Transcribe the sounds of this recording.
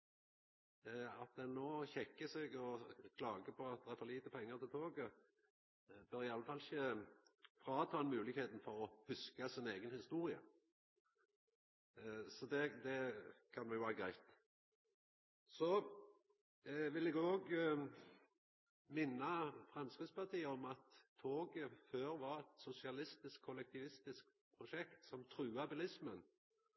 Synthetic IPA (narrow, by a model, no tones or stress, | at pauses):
ɑt̪̚d̪ɛnnoːçɛkːəseːɡɔkʰlɑːɡəpʰɔɑt̪̚d̪ɛʁæɾfɔʁliːt̪əpʰɛŋːəʁt̪ʰɪlt̪ʰoːɡə | bøːʁɪɑlːəfɑlɪçə | fʁɑːt̪ʰɑːɛnmʉːlɪkheːt̪n̩fɔʁɔhʉskəsɪneːɡənhɪst̪uːʁɪə̰ | sɔd̪ɛd̪ɛkʰɑnʋɛjʊʋɑːɾɡɾæɪt̪ | sɔ | ʋɪlɛɡoːɡ | mɪnːəfʁɑmskɾid̪spɑʁt̪ʰiːəɔmɑt̪ʰːoːɡəføːɾʋɑɾɛt̪sʊsɪɑlɪst̪ɪskʰːɔlɛk̚t̪ʰɪʋɪst̪ɪsk̚ | pʰɾʊʃɛkt̪sɔmt̪ʰɾʉːɑbɪlɪsmən